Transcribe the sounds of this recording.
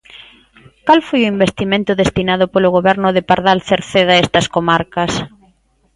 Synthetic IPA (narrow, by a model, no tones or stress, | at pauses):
kalfojʊimbest̪imẽnt̪ʊðest̪inaðʊpolʊɣoβɛɾnʊðɪpaɾðalθeɾθeðaest̪ɐskomaɾkɐs